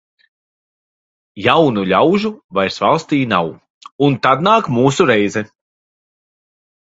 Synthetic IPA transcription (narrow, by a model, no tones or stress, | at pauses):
jawnuʎʲawʒuvajɾsvalˠst̪iːnaw | unt̪ad̪̚naːkmuːsuɾɛjzɛ